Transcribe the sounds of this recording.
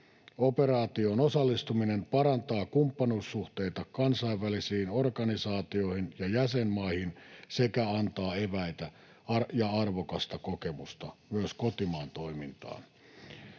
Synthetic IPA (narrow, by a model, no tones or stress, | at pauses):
operɑːt̪ionosɑlːist̪uminempɑɾɑnt̪ɑːkumpːɑnuːsːuht̪eit̪ɑkɑnsɑiʋːælisiːnorkɑnisɑːt̪io̞hinjɑjæsemmɑihinsekæɑnt̪ɑːeʋæit̪æ | ɑrjɑɑrʋokɑst̪ɑkokemust̪ɑmyøskot̪imɑːnt̪oimint̪ɑ̰ːn